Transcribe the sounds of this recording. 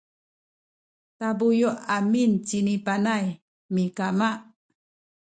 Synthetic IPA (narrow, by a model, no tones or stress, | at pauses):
tabujuʔamint͡ɕinipanaj | mikamaʔ